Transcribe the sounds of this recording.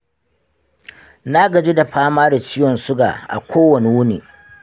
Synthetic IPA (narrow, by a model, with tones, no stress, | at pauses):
na˦ɡɐ˨d͡ʒi˦da˨ɸaː˦maː˦da˨t͡ʃɪ˦jɔ˨nsʊ˦ɡa̰ː˨ʔa̰˨kʷoː˦wɐ˨ni˨wʊ˦nḭː˨